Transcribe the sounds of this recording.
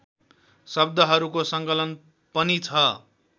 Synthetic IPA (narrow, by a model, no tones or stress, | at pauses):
sʌb̚d̪ʱʌɦʌɾukosʌŋkʌlʌn | pʌnit͡sʰʌ